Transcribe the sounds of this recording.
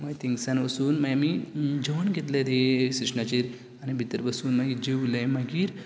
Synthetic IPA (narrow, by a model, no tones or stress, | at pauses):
majt̪ĩŋɡsanʋəsuːnməjamiːd͡ʑəʋənɡʱet̪lad̪esiʂnat͡ɕiɾ | añibʱit̪əɾbəsuːnməɡid͡ʑeulãjmaɡiːɾ